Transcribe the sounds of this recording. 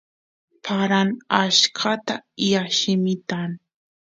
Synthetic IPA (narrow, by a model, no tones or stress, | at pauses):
pʰaɾanaʃkʰat̪ajaʃɪmɪt̪aŋ